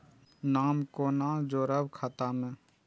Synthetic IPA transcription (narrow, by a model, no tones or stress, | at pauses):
naːmkoːnãd͡ʒoːɾəbkʰaːt̪amẽː